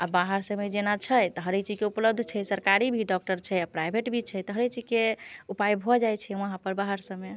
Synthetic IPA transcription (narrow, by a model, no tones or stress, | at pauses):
abaɦəɾsəmed͡ʒenat͡ʃʰəjt̪ɔɦəɾekt͡ʃikeupləb̚d̪ʱt͡ʃʰɛjsəɾkaɾibʱiɖɔk̚ʈəɾt͡ʃʰɛjapɾajbʱeʈbʱit͡ʃʰɛjt̪ɔɦəɾekt͡ʃid͡ʒkeupajbʱɔd͡ʒajt͡ʃʰɛũaɦãpəɾbaɦəɾsə̃me